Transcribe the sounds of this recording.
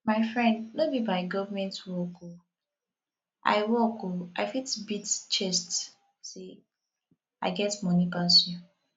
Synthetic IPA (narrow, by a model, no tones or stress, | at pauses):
maɪfɹɛ̃ndnobibaɪɡɔvəmɛ̃ntwɔko | ʔa̰ɪwɔkoaɪfitbitt͡ʃɛst | se | aɪɡɛtmɔnipasɔ̃n